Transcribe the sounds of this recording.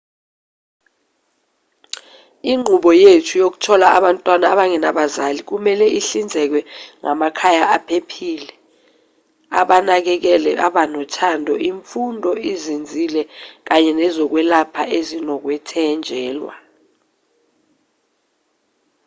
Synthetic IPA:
iŋ͡ǃʱuɓɔjetʰujok̬u̥tʰɔlaʔaɓantʼwanaaɓaŋɛnaɓazalik̬umɛlɛiɬind͡zʱɛk̬wɛŋamakʰajaapʰepʰiːlɛ | a̰ɓanak̬ɛk̬ɛlɛʔa̰ɓanɔtʰandʱɔʔiɱfundʱɔizind͡zʱilɛk̬aɲɛnɛzɔk̬wɛlapʰaʔezinɔk̬wɛtʰɛnd͡ʒʱɛːlwa̰

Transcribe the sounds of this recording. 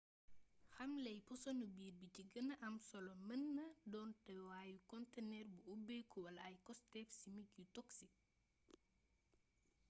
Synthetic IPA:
xɐmlɛjpɔsɔnubiːrbiciɡənːɐʔɐmsɔlɔmənːɐdɔːntɛwaːjukɔntɛnɛːrbuubɛkuwɐlɐjkɔstɛːfsimikjutɔksi

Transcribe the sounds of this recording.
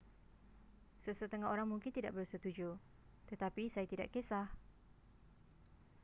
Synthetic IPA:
səsət̪əŋaɦoɾaŋmuŋkɪnt̪ida̰ʔbərsət̪ud͡ʒu | t̪ət̪apisajat̪ida̰ʔkesah

